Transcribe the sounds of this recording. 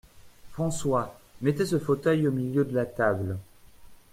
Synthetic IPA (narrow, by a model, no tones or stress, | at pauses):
fχɑ̃swamɛt̪ɛsəfot̪œjomiljød̪əlat̪abl